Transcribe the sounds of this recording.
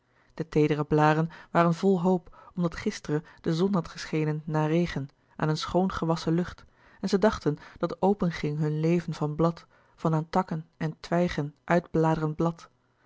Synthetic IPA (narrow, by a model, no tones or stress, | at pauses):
d̥ətejdərəblaːdənʋaːrənvɔlˠɦowpɔmdɑtχɪstərəd̥əzɔnɦɑtχəsχejnənːaːrejχən | ʔa̰ːnənsχownχəʋɑsəlɵχt | ɛnzədɑχtənd̥ɑtowpənχɪŋɦɵnlejvənvɑnblɑt | fɑnaːntɑkənɛntʰʋɛjχənʔœɥdblaːdərənblɑt